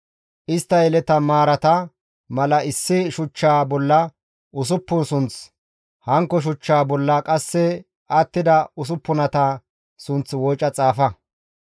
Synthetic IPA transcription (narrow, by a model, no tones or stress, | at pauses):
ʔɪst̪ːɐjɛlɛt̪ɐmaːɾɐt̪ɐ | mɐlɐɪsːɪʃʊt͡ʃːaːbɔlːɐ | ʔʊs̬ʊpːʊnsʊnt͡s | hɐŋkːɔʃ̬ʊt͡ʃːaːbɔlːɐkʼɐsːɛ | at̪ːɪd̪ɐʊs̬ʊpːʊnɐt̪ɐ | sʊnt͡swɔjt͡ʃʼːɐt͡sʼaːfɐ